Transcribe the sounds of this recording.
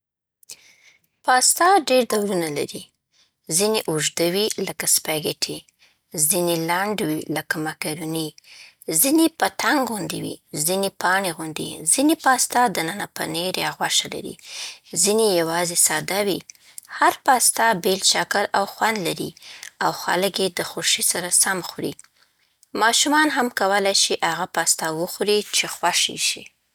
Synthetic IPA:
pɑst̪ɑɖeɾd̪awɾunala̰ɾi | zineʔʊʒd̪əwiləkaspaɡeʈʰi | zinelaɳɖwiləkamakaɾuni | zinepət̪aŋɡɣʊnd̪iwḭzinepɑɳeɣund̪ḭzinepɑst̪ɑd̪ənənapəneɾjɑɣwaʃala̰ɾḭzinejawɑzesɑd̪awi | haɾpɑst̪ɑbelt͡ʃakəlawxwand̪laɾḭawxa̰lkjed̪əxʊɾʃisaɾasamxɾḭ | mɑʃumɑnɦamkawəlajʃiʔaɣapɑst̪ɑwəxɾit͡ʃexwaʃḭʃḭ

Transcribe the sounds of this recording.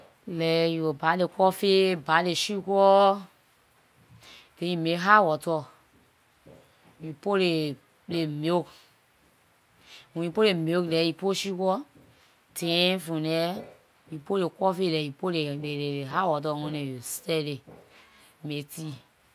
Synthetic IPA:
lɛjuobalekʷɔfebaleʃikɔ | tejimeɦawɔtɔ | jupole | lemok | ũjipolemoklɛjipoʃikʷɔ | tẽfũnɛ | jupolekʷɔfelɛjupoleleeɦawɔt̬ɔŋõnejostɛle | meti

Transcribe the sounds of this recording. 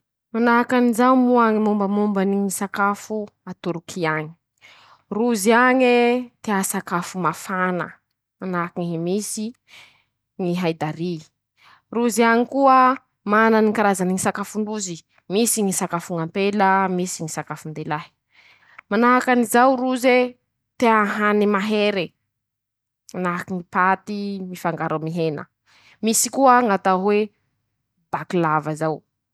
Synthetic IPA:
manaɦakanizawmuaŋimumbəmumbaniŋisakafuat̪uɾukʰiaɲi̥ | ruziaɲet̪easakafumafanə̰ | manaɦkiŋiɦimisi | ŋiɦajd̪aɾi | ruziaŋikuə | mananikaɾazaniŋisakafuɳɖ͡ʐuzi | misiŋisakafuŋampeləmisiŋisakafund̪elaɦi̥ | manaɦakanizawruze | t̪eaɦanimaɦeɾe | manaɦakiŋipat̪imifaŋɡaɾamiɦenə̰ | misikuəŋat̪aɦwe | b̥akilavəzaw

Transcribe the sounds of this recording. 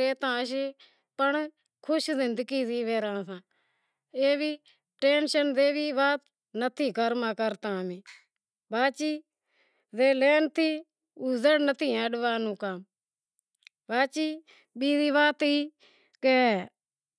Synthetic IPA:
eːt̪ãːəʃ̬eː | pəɳ | kʰʊʃzɪnd̪əkiːziːʋeːɾãːsãː | eːbiː | ʈeːnʃənzeːʋiːʋaːt̪ | nət̪ʰiːkəɾmãːkəɾt̪ãːmẽː | baːt͡ʃiː | zeːleːnt̪ʰiː | ʊzəɽnət̪ʰiːəɖʋaːnũːkam | baːt͡ʃiː | ɓiːd̪iːʋaːt̪iː | keː

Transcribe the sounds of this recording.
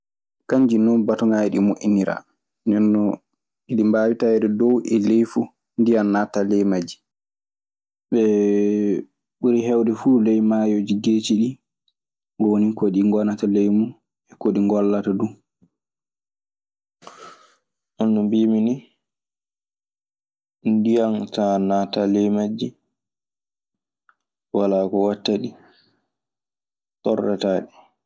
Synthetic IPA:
kaɲd͡ʒinɔnbatɔŋajɛɗimoʔiniɾa̰ | nɛnːɔ | iɗimbaːwitaɛɗɛdɔwʔɛlejfu | ndijanːatalɛjmad͡ʒi̥ | ɓɛ | ɓuɾiɦɛwdɛfuːlɛjmajod͡ʒiɡeːt͡ʃiɗi | ɡɔwonikoɗiŋɡɔnatalejmu | ɛkoɗiŋɡɔlːatadu | ʔɔnːɔmbimini | ndijantanatalɛjmad͡ʒːi | walaːkɔwatːaɗi | tɔrːɛtaːɗi

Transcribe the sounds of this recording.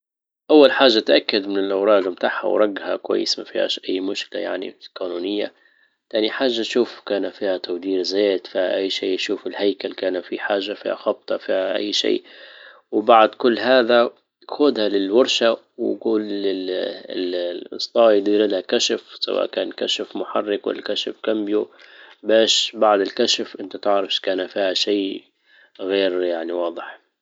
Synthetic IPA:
ʔawːalħaːʒːat̪ʔakːad̪mɪnɪlʔawɾˤɑːd̪mt̪aːʕħha̰wɾˤɑɡːha̰kwa̰jːɪ̰smafḭːha̰ʔajːmʊʃkɪla̰ja̰ʕnḭlkaːnuːnɪjːa | t̪aːniħaːʒːaʃuːfkaːnafiːhat̪awd̪iːɾzeːt̪fiːha̰ʔajːʃiːʃuːfɪlhajkalkaːnafiħaːʒːafḭːha̰xɑb̚t̪ˤɑfiːhaʔa̰jːʃḭː | wɪbaʕd̪kʊlːɦaːða | xʊd̪halɪlwɑɾˤʃa | wɪɡuːlɪɪlʔst̪ˤɑːjd̪iːɾɪlhakaʃafsa̰wa̰ːʔkaːnkaʃafmʊħarːɪkwɪ̰lːakaʃafkambjubaːʃbaʕd̪ɪlkaʃafʔɪnt̪at̪ɪʕɾˤɑfʃkaːnafiːhaʃiː | ɣeːɾjaʕniwɑːd̪ˤɨħ

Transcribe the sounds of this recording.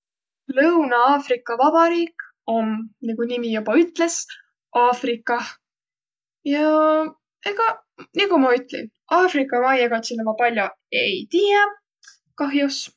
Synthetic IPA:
lɤwnɑɑːfrikːˑɑvɑbɑɾiːk | omniɡ̥unimijub̥ɑyt̪ːˑle̞s | ʔɑːfrikːˑɑ | jɑ | eɡ̥ɑ | nikumɑyt̪ːˑlḭn | ʔɑːfrikːˑɑmɑjeɡɑt̪sinːɑmɑpɑlʲjo | ejt̪iːjɑ | kɑɦjus

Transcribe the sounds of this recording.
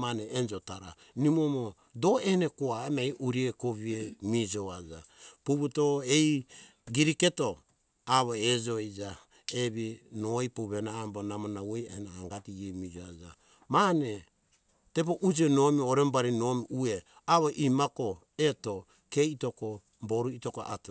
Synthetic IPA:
maneːnd͡ʒotaɾa̰ | nimomo | do̞enekoaemaiʔuɾiekoβiemid͡ʒoad͡ʒa̰puβutoej | ɡiɾike̞to̞ | aβoed͡ʒoid͡ʒa | eβinoipuβenaːmbonamonawoja̰henaːŋɡatiemid͡ʒoad͡ʒa̰ | mane̞ | te̞p̬oʔud͡ʒenomioɾembaɾino̞miue | aβoʔimako | eto̞ | ke̞ito̞ko | mboɾuitoko̰ʔa̰t

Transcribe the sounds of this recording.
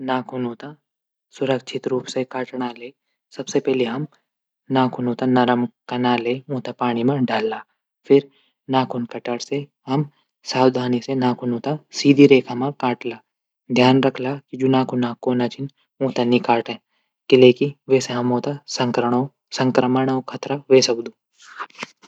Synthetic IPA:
naːkʰʊnuːt̪a | sʊɾəkʃʰɪt̪ɾuːpsekaːʈɽaleː | sɐbsepɛɦliɦɐm | naːkʰʊnũːt̪anɐɾəmkɐnaːleːõːt̪apaːɽ̃imãɖʱaːlːaː | fʰɪɾ | naːkʰʊnkɐʈəɽse | ɦɐm | saːwd̪ʱaːnisenaːkʰʊnõt̪asiːd̪ʱiɾeːkʰamãkaːʈlaː | d̪ʱjaːnɾɐkʰlakid͡ʒʊnaːkʰʊnãkoːnat͡ʃɪn | õːt̪anĩkaːʈɛ̃ː | kileːkiʋeːseɦɐmõːt̪asɐŋkɾəo | sɐ̃ŋkɾəməɽ̃okʰɐt̪ɾaʋeːsɐkd̪uː

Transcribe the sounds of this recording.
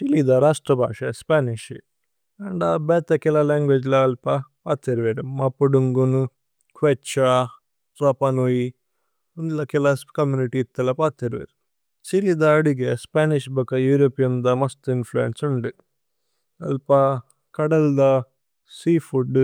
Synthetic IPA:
ʈilid̪aɾaːʂʈɾɐbʱa̰ːʂɐspaːniʃ | ɐɳɖabɛːt̪ɐkilɐlaːŋɡʋeːd͡ʒlɐːlpɐpaːt̪ːeɾʋeɾumɐpːuɖuŋɡunu | kʋet͡ʃa | ɾɐpɐnoji | und̪lɐkilɐskɐmjuːniʈiːt̪ːɐlɐpaːt̪ːeɾʋḛɾ | t͡ʃilid̪aɐɽiɡespaːniʃbɐkɐjuːɾoːpijɐmd̪ɐmɐst̪influḛnsuɳɖi | ɐ̰lpɐ | kɐɽɐld̪a | siːfuɖ

